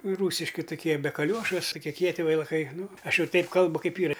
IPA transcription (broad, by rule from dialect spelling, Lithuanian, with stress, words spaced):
ˈruːsʲɪʃʲkʲɪ tʊˈkʲiɛ bʲɛ kɐˈlʲuɔʃʊ sʊ kʲiɛ ˈkʲiɛtʲɪ ʋʲɛɪlˠɐˈkɐɪ ˈnʊ ˈɐʃ ˈjɛʊ ˈtɐɪp ˈkɐlˠbʊ ˈkɐɪp ˈiːrɐ